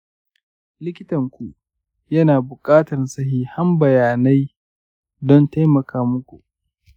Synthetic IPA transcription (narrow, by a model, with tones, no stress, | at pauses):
lɪ˦kʲɪ˦tɐ˨ŋkʷu˨ʔ | jɐ˦naː˨bʊ˨kʼaː˦tɐ˨rsɐ˦hiː˦ha˦mbɐ˨jaː˨na˦j | dɔ˦nta˦jmɐ˨kʰaː˦mʊ˦kʷṵ˨ʔ